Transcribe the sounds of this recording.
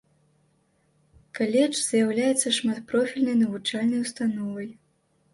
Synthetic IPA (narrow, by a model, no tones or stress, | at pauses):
kalʲɛt͡ʂz̥jawlʲajɛt̪sːɐʂmat̪pɾɔfʲilʲnɐjnɐvut͡ʂalʲnɐjwst̪anɔvɐj